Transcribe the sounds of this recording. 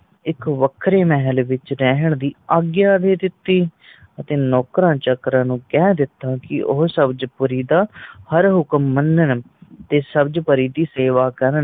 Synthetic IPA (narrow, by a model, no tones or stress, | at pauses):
ɪkʋəkʰɾeːmɛɦəlʋɪt͡ʃɾɛɦəɳd̪iːaːɡjaːd̪eːt̪ɪt̪ːiː | ət̪ẽːnɔːkɾãːt͡ʃəkɾãːnũːkɛːd̪ɪt̪ːaːkɪ̰ʔʊɦsəbd͡ʒpəɾiːd̪aːhəɾɦʊkəmːənən | t̪eːsəbd͡ʒpəɾiːd̪iːseːʋaːkəɾən